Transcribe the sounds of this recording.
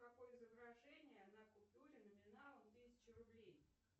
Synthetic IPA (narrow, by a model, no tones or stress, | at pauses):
kɐko̞jəzəvɾaʐɛnʲɪjəaɐnakʊlˠpt̪uɾʲɪnəmʲɪnalˠət̪ɨsʲɪ̥t͡ɕɪɾʊblʲej